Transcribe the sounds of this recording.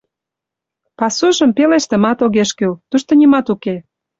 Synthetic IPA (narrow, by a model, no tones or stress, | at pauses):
pɑsuʒə̆mpeleʃt̪ə̆mɑt̪oɣeʃkylt̪uʃt̪ŏnʲimɑt̪uke